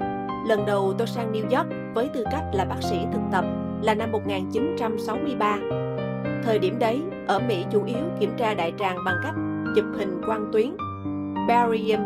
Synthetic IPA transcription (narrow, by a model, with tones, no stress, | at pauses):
lə˨˩nɗə˨˩wt̪o˧jsaː˧nni˧wzɔ˦˥k̚vəː˨˦jt̪ɨ˧ka˦˥jk̟̚laː˨˩ɓaː˦˥k̚sḭ˧˥t̪ʰɨ˨˩k̚t̪ə˨˩p̚ | laː˨˩na˧mːo˨˩t̚ŋaː˨˩nt͡ɕi˨˦nt͡ɕa˧msa˨˦wmɨ˧əjɓaː˧ | t̪ʰəː˨˩jɗi˧˩əmɗə˨˦j | ʔəː˧˩mḭ˧˥t͡ɕu˧˩ʔi˨˦əwki˧˩əmt͡ɕaː˧ɗa̰ː˧˨jt͡ɕaː˨˩ŋɓa˨˩ŋka˦˥jk̟̚zɨ˨˩p̚hï˨˩ŋ̟kwaː˧nt̪wi˨˦ən | ɓaː˧zi˧ə˧n